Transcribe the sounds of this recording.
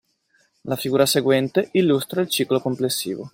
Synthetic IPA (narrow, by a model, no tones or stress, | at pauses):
lafiɡuːɾaseɡwɛnt̪eʔilːust̪ɾailt͡ʃiːklokomplesːḭːvo̰